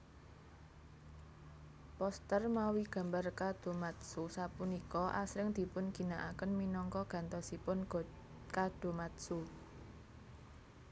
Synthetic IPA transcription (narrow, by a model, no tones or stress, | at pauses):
pɔst̪ərmawiɡ̥ä̤mbarkad̪̥o̤mat̪susapunikɔʔa̰sɾɪŋd̪̥i̤pʊnɡ̥i̤naʔakənminɔŋkɔɡ̥ä̤nt̪ɔsipʊnɡ | kad̪̥o̤mat̪su